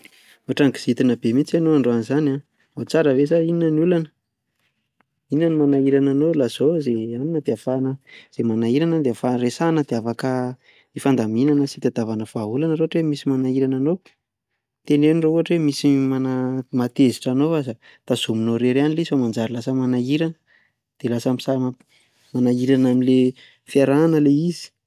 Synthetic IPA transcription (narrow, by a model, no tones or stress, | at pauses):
oaʈ͡ʂaŋki̥z̥it̪inəbemit͡sanoaɳɖ͡ʐoanizana | ot͡saɾəvezaininənulanə̥ | inanimanaiɾananolaz̥ozeaninəd̪eafanəz̥emanaiɾanad̪eafaresanəd̪eafakə | ifand̪aminanəsit̪ad̪avanəv̥aɦulanəɾoaʈ͡ʂwemisimanaiɾananow | t̪enewnirouɦaʈ͡ʂwemisimanamat̪eziʈ͡ʂanowazə | t̪az̥uminoɾeɾanilizfamand͡zaɾilasəmanaiɾanə | d̪̥elasamisa | manaiɾanamile | fiaɾanəleizi̥